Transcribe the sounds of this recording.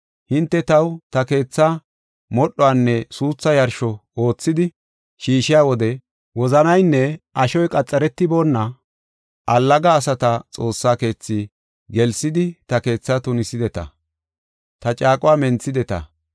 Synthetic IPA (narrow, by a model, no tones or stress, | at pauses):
hɪnt̪ːɛt̪ɐwt̪ɐke̞ːt͡sːa | mɔɗːɔwaːnːɛsuːt͡sːɐjɐɾʃɔo̞ːt͡sːɪd̪ɪ | ʃiːʃɪjaːwɔd̪ɛ | wɔzɐnɐjnːɛʔɐʃɔjkʼɐt͡sʼːɐɾɛt̪ːɪbo̞ːnːɐ | ʔɐlːɐɡɐːsɐt̪ɐt͡sʼo̞ːsːaːke̞ːt͡sːɪ | ɡɛlsɪd̪ɪt̪ɐke̞ːt͡sːat̪ʊnɪsɪd̪ɛt̪ɐ̰ | t̪ɐt͡ʃʼaːkʼʊwaːmɛnt͡sːɪd̪ɛt̪ɐ̰